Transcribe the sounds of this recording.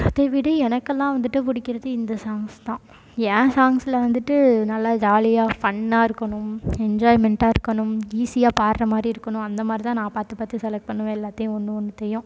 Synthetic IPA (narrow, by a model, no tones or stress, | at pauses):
t̪eʋɪɽɐɛnɐkːɛlːãːʋɐnd̪ɯʈːɯpʊɽɪkːɪɾɐðɯɪnd̪ɐsaːŋst̪ãː | ɛ̃ːsaːŋsɪlɐʋɐnd̪ɯʈːɯnɐlːaːd͡ʒaːlɪjaːfɐɳːaːɪɾɯkːɐɳʊ̃mɛɲd͡ʒaːɪmɛɳʈaːɪɾɯkːɐɳʊmiːsɪjaːpaːɾɾɐmaːd̪ɾiɪɾɯkːɐɳʊ̃ɐnd̪ɐmaːd̪ɾit̪ãːnãːpaːɾt̪ɯpaːt̪isɛlɐk̚ʈ̚pɐɳːɯmɛlːaːt̪ːɐjʊ̃ɔnːɯɔnːɯt̪ɛjʊ̃